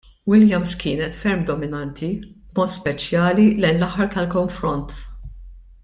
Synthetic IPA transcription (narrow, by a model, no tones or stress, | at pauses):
wɪljɐmskɪːnɛt̪fɛɾmd̪ɔmɪnɐnt̪ʰib̥mɔːt̪spɛt͡ʃjɐːlilɛjnlɐħːɐɾt̪ɐlkɔɱfɾɔnt̪